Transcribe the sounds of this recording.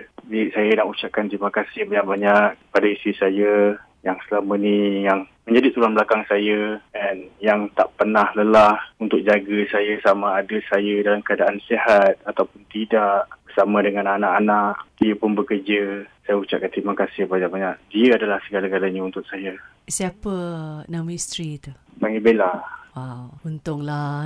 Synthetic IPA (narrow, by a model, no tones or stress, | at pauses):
biʔsajanaʔut͡ʃaʔ̚kant̪ɾimakasɪhbaɲaʔ̚baɲak̚padaist̪ɾisajaə | jaŋsəlamənijaŋmə̃ɲd͡ʒadit̪ulanbəlakaŋsajəɛnjaŋt̪aʔpənahləlahunt̪ʊk̚d͡ʒaɡəsajasamãːdəsajədalamkəadaʔansehat̪̚at̪awpʊnt̪idaʔbəsamãdəŋananãʔanaʔdiəpʊnbəkərd͡ʒəsajəut͡ʃa̰ʔ̚kant̪ɾimakasɪhbad͡ʒaʔbaɲaʔdiəadalahsəɡalaɡalaɲaunt̪ʊʔ̚sajə | siapənamist̪ɾit̪u | paŋibelawawunt̪ʊŋla